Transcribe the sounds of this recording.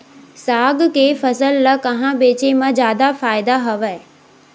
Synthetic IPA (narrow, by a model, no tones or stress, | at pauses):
saːɡkʰeːfɐsəlːɐkɐɦãbeːt͡ɕemãd͡ʑjaːd̪afaːɪd̪aɦɐʋəe